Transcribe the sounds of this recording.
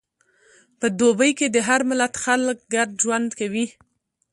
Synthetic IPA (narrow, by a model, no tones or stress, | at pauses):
pəd̪obəjked̪əɦaɾmɪlat̪xalk̚ɡaɖ̚d͡ʒwand̪kawi